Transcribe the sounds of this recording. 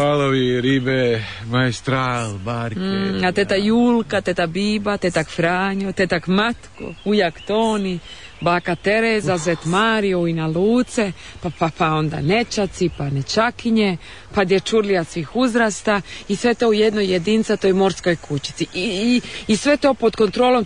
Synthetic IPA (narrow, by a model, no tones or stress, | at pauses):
aloʋiɾibe | maist̪ɾaːlbaːɾkat̪et̪ajuːlkat̪et̪abiːbat̪et̪akfɾaːɲot̪et̪akmat̪ko̰ujakt̪oːni | baːkat̪eɾezazʋet̪maːɾioinaluːt̪se | papapao̞nd̪a̰net͡ʃat̪sipanet͡ʃakiɲe | pad̪jet͡ʃuɾliasʋiːxuzɾast̪aisʋe̞t̪oujed̪nojed̪int̪sat̪ojmo̞ɾskojkʰut͡ʃi̥t̪siʔ | isʋe̞t̪o̞pod̪ko̞nt̪ɾoːlo̞m